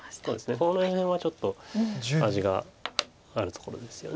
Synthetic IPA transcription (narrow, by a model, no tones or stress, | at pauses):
so̞ːd̪e̞sɨne̞konohẽhẽɰ̃βat͡ɕo̞t̪ːo̞aʑiɡa | aɾɯ̟t̪oko̞ɾo̞̰d̪e̞sɨ̥jo̞̰n